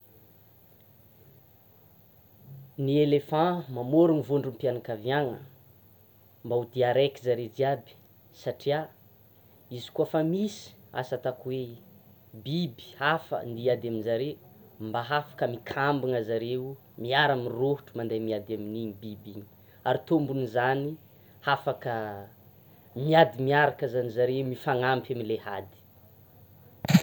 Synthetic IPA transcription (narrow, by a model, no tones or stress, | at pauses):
nielefãmamoɾunivoɳɖ͡ʐumpjanakavjaŋə | mbaud̪iaɾekizaɾed͡ziabi̥ | saʈ͡ʂia | izi̥kuafamisi̥a̰sat̪akuwe | bibi̥afə̰nd̪iad̪aminzaɾembaɦafḁkəmikʰambaŋazaɾew | miaɾaminroɦuʈ͡ʂumand̪ajmiad̪aminiɲibibiɲi̥ | aɾit̪ombunizani | hafakə | miad̪imiaɾakazanizaɾeumifaŋampaminlehad̪i̥